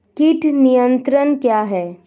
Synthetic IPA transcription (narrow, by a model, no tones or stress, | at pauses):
kɪʈʰnijə̃nt̪ɾənkjaːɦɛː